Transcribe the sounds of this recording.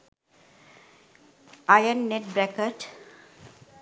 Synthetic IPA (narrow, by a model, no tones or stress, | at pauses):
ajənːeʈ̚bɾɛkəʈ